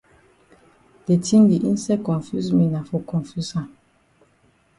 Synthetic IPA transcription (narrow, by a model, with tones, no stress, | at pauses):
d̥e˨tĩ˦mdi˨ʔi˦n˦sɛ˦kɔ̃˨nfju˦smi˨na˨fɔ˨kɔ̃˨nfu˦sã˨